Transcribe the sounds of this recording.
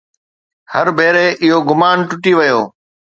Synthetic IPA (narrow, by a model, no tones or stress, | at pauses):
hɐɾbʱeːɾeʔɪɦoɡʊmaːnʈʊʈiʋɐjoː